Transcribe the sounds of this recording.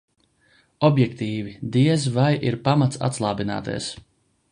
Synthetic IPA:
ɔbjɛkt̪iːvid̪iɛzvajiɾpamat̪sa̰t̪slˠɑːbina̰ːt̪ɛ̰ɛs

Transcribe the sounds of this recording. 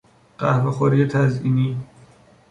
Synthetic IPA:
ɢ̥æhvexoɾijet̪ʰæziniː

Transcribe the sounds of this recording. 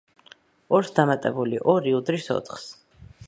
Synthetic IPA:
ɔɾsd̪amat̪ʼɛbuliʔɔɾiud̪ɾisɔ̰t̪ʰχs

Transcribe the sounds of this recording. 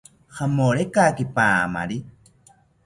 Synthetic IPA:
χamoɾekakipaːma̰ɾi

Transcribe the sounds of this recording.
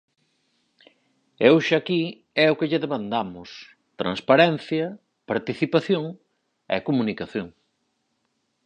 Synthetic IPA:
ewʃaki | ɛʊkɪʎɪðemãnd̪amʊs | t̪ɾa̰ŋspaɾɛn̟θjɐ | paɾt̪iθipaθjoŋ | ɛ̰komunikaθjoŋ

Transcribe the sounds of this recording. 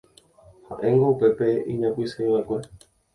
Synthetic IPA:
hã̰ʔẽ̞ŋɡoupe̞pe̞ĩɲãpʷisaĩʋaekʷe̞

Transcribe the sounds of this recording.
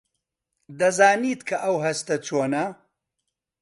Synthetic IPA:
d̪ɐzaːniːt̪kʰɐʔɐwɦɐst̪ɐt͡sʰoːnɐ

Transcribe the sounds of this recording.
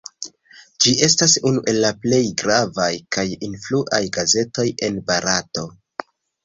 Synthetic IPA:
d͡ʒiʔe̞stasunuʔe̞lːaple̞jɡɾavajkajinfluʔajɡaze̞to̞je̞nbaɾato̞

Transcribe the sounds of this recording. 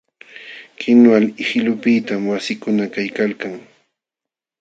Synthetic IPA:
kɪnwalɪhɪlʊpɪt̪amwasɪkʊnakajkalkaŋ

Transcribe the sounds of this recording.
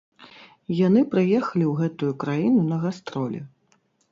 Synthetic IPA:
jan̪ɨpɾɨjɛxɐlʲiwɣɛt̪ujukɾajinunɐɣast̪ɾɔlʲɛ̰

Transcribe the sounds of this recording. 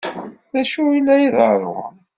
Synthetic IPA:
ðæʃuilːæjiðə̰ɾˤʊ̰

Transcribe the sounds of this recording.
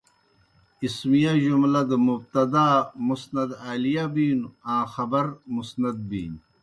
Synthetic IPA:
ismijaʑumlɐd̪əmub̚t̪ɐd̪aːmusnɐd̪aːlijabiːnuãːxɐbɐɾmusnɐd̪̚bḭːn

